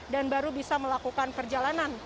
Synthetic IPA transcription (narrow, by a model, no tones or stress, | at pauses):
danbaɾubisaməlakukanpərd͡ʒalanan